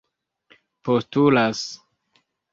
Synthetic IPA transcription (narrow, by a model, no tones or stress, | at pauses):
postulas